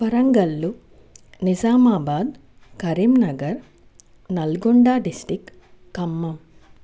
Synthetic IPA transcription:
pɐɾɐŋɡɐlːu | nid͡ʒaːmaːbaːd̪ | kɐɾimnɐɡɐɾ | nɐlɡoɳɖaːɖisʈikː | ɐmːɐm

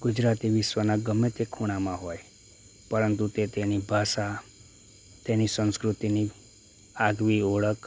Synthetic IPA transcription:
ɡ̥ud͡ʒɾat̪iʋɪʃwənaɡəmet̪ekʰuɽ̃amãɦoj | pəɾənt̪ut̪et̪enibʱaʃa | t̪enisə̃nskɾut̪ini | aɡʋioɭək

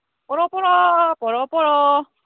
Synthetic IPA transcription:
pɔɾɔpɔɾɔpɔɾɔpɔɾɔ

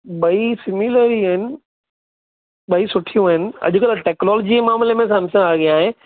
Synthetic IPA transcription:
ɓɐisɪmiləɾiaɦɪnɪ̆ | ɓɐisʊʈʰijũaɦɪnɪ̆ɐ̰ʄʊkɪlaʈeːknɔːlːd͡ʑimaːmlemẽsɐmsɐ̃aːɡiaːɦẽ

